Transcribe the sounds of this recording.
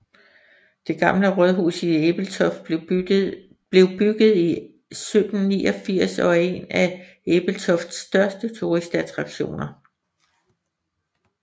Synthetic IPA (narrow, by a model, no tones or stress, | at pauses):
d̥e̝ɡ̥ɑ̈mləʁœðˠɦṵːsieb̥l̩t͡sʰɒf | b̥le̝ʊb̥yɡ̥ð̩ˠi | sød̥n̩nḭːɒfiɐ̰sɒ̽e̝næ | eb̥l̩t͡sʰɒfd̥sd̥ɶɐsd̥ət͡sʰuʁisd̥æt͡sʰʁɑ̈ɡ̥ɕo̝̰ːnɐ